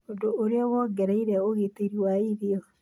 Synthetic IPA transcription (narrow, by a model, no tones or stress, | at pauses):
odooɾeɔɣɔɡɛɾaiɾɛoɣeteɾiwaiɾiɔ